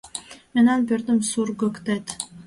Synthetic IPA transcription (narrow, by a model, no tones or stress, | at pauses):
menɑnbøɾd̪ymsuɾɡɵkt̪et̪